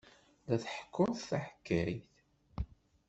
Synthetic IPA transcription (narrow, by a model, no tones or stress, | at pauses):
læθəħə̥kːʊɾθθaħə̥kːəɾiθ